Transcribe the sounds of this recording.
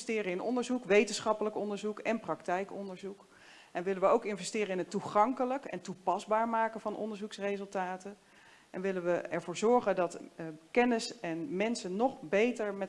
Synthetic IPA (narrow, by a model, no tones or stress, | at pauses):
stɪːrəɪnɔ̰ndəɹzukʋejtənsχɑpələkɔndəɹzukɛnprɑktɛjkɔndəɹzuk | ʔɛnʋɪləʋəowkɪnvɛstɪːɾəɪnɦətuχɑŋkələkɛ̰ntupɑzbaːɹmaːkənvɑnʔɔ̰ndəɹzuksrezɵlˠtaːtən | ʔɛnʋɪləʋəɛɹvʊːɹzɔɹχəndɑtkɛnɪsɛnmɛnsənnɔχbejtəɹmɛ